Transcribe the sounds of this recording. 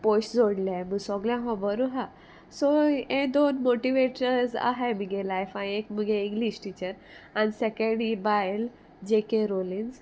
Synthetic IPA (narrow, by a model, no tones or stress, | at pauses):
pojsd͡zoɽlaməɡsɔɡljãɦɔ̃bəɾuɦa | soẽd̪onmoʈiʋeʈəɾsa̰ɦajməɡelajfanekməɡeĩŋɡlisʈit͡ɕəɾ | anisekəɖibajl | d͡ʑekeɾolĩnz